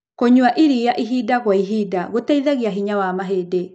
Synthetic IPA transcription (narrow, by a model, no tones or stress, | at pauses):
koɲuaʔiɾijaʔiɦidaɣwaiɦidaɣotaiðaɣiaɦiɲawamaɦeːde